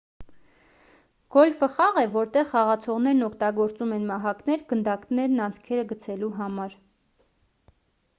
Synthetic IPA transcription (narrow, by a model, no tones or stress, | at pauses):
ɡ̥ɔlfəχɑʁɛvɔɾt̪ɛʁːɑʁɑt͡sʰɔʁnɛɾnɔkʰt̪ɑɡɔɾt͡sumɛnmɑɦɑknɛɾɡənd̪ɑknɛɾnɑnt͡sʰkʰɛɾəɡət͡sʰɛluɦɑmɑɾ